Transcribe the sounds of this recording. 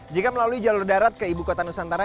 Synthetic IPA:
d͡ʒikaməlaluid͡ʒalʊrdaɾat̪̚kəibukot̪anusant̪aɾa

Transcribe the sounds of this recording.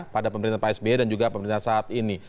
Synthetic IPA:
padapəməɾint̪ahpaɛsbedand͡ʒuɡapəməɾint̪asaat̪ini

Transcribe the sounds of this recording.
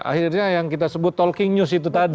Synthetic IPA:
a̰hirɲajaŋkit̪asəbʊt̪ːɔlkɪŋɲusit̪ut̪ad

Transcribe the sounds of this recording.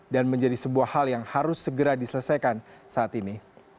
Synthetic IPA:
danməɲd͡ʒadisəbuahaljaŋhaɾʊsːəɡəɾadisələsajkansaat̪ini

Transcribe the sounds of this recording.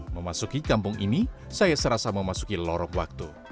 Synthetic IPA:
məmasukikampʊŋinisajasəɾasaməmasu̥kilɔɾɔŋwak̚t̪u

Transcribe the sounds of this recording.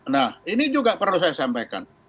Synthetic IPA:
nahinid͡ʒuɡapərlus̬ajasampajka̰n

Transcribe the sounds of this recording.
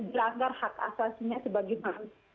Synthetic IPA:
dilaŋɡarhaka̰sasiɲasəbaɡima

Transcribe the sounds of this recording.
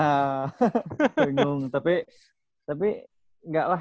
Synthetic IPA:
a | iŋʊŋt̪api | t̪api | ŋɡaʔla

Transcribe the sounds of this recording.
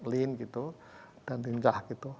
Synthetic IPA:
linkit̪u | d̥ant̪inɲt͡ʃahkit̪u

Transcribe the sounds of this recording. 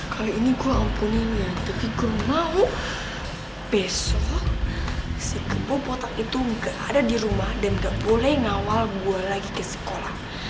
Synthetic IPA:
kʰaloiniɡuaːmpuniɲat̪apikərmauʔ | b̥ɛsɔ | sikəpopot̪akit̪uŋɡaʔadadiɾumahdanɡaʔbolɛhŋawalbuarlaɡikəsə̥kolah

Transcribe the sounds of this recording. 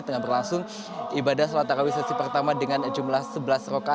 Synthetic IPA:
t̪əŋahbərlaŋsʊŋ | ʔibadahsəlat̪aɾawisasipərt̪amadəŋand͡ʒumlahsəbəlasroka

